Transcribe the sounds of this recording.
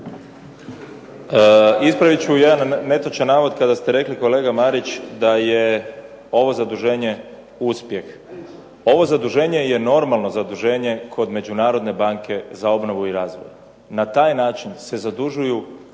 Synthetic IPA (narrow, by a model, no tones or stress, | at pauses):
ispɾaʋit͡ɕujed̪anːe̞t̪ot͡ʃanːaːʋod̪kad̪ast̪eɾe̞kliko̞le̞ːɡamaɾit͡ɕd̪aje | o̞ʋo̞zad̪uʒe̞ːɲe̞ | uspje̞x | o̞ʋo̞zad̪uʒe̞ːɲe̞je̞no̞ɾmalˠno̞zad̪uʒe̞ːɲe̞kʰo̞d̪me̞d͡ʑunaːɾo̞d̪ne̞baŋkʰe̞zao̞bno̞ʋuiɾaːzʋo̰j | nat̪aːjnaːt͡ʃinse̞zad̪uʒuju